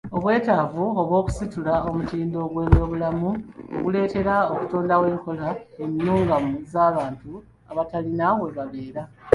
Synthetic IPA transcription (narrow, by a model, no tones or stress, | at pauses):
o̞βwe̞ːtavuo̞βwo̞ːku̥situlao̞mutiːndo̞ɡwe̞ːβjo̞ːβulamuo̰ɡule̞ːte̞ɾaoku̥toːndawe̞ːŋko̞laeninuːŋɡamuzaːβaːntu | aβatalinawe̞βaβe̞ːɾa